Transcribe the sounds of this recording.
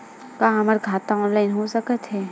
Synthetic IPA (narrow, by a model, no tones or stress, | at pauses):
kaːɦɐməɾɡʱaːt̪aɔːnlaːɪnɦoːsəkət̪ɦɛː